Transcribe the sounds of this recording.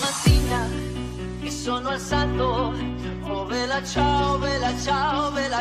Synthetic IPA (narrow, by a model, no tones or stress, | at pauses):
nasina | kisonoalsalt̪o | oβelat͡ʃaoβelat͡ʃaoβela